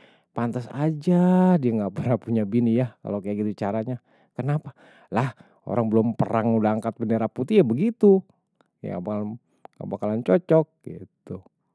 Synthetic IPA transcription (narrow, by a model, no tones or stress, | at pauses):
pant̪asa̰d͡ʒadiaŋɡaʔpərnahpuɲabinijaka̰lokajaʔɡit̪ut͡ʃaɾaɲa | kənapḁ | lah | o̰ɾaŋbəlʊmpəɾaŋudaaŋkat̪̚bəndeɾaput̪ijabəɡit̪u | j̰a̰bal | a̰bakalant͡ʃɔt͡ʃɔk̚ɡḭt̪u